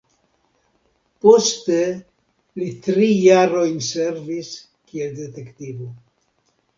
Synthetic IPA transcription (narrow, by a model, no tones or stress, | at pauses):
po̞ste̞ | litɾijaɾo̞jnse̞ɾvis | kielde̞te̞ktivo